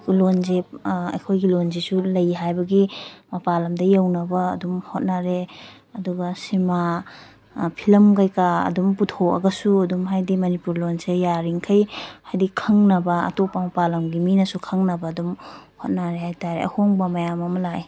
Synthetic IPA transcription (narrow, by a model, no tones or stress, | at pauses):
lonzep̚ɐ̰jkʰojɡilonzisulɐjɦajbɐɡimɐpalɐmdɐjawnɐbɐ̰ːdumhot̚naɾe | ɐduɡɐsima | pʰilɐmkajkaɐ̰dumputʰoɐ̰ɡɐsuɐdumɦajdimɐnipuɾlonsejaɾiŋkʰɐjhajdikʰɐŋnɐbɐa̰topɐmɐpalɐmɡiminɐsukʰɐŋnɐbɐːdumhot̚naɾehajtaɾḛɐ̰hoŋbɐmɐjamɐmɐlaj